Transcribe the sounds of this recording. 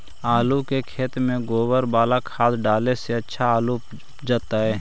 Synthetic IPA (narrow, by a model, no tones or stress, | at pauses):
aːlukekʰeːt̪mẽɡoːbəɾbaːlakʰaːd̪ɖaːleseɐtːʃʰaaːlu | d͡ʒaːt̪aɦɛː